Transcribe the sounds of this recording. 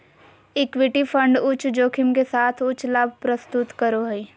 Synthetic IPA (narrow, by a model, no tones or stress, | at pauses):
ɪkwɪʈipʰə̃ɳɖʊt͡ʃʰd͡ʒoːkʰɪmkesaːt̪ʰʊt͡ʃʰlabʱpɾəst̪ʊt̪kəɾoɦɐi